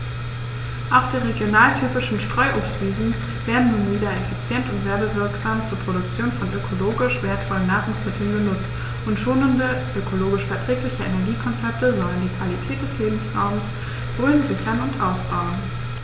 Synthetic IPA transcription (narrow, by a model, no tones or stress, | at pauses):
ʔaʊxd̥iːʁeɡjonaːltʰyːpɪʃn̩ʃtʁ̥ɔʏʔoːpstv̥iːzn̩ | veːɐdn̩nuːnviːdɐefit͡sjɛntʊntv̥ɛːɐbəvɪɐkz̥aːmt͡suːɐpʁ̥oɾʊkt͡sjoːnfɔnøkʰoloːɡɪʃv̥eːɐtfɔlənːaːʁʊŋsmɪtʰl̩nɡənʊt͡st | ʊntʃoːnəndəʔøkʰoloːɡɪʃfɛɐtʁ̥ɛːklɪçəʔenɛɐɡiːkʰɔnt͡sɛp̚təzɔndɐndiːkv̥alitʰɛːt̚d̥ɛsleːbm̩sʁaʊməs | v̥oːlənzɪçɐnʊntʔaʊsb̥aʊn